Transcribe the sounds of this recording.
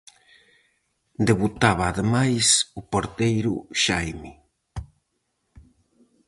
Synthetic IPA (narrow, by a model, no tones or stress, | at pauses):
d̪eβut̪aβ̞aːðemajsʊpoɾt̪ejɾʊ̰ʃajmi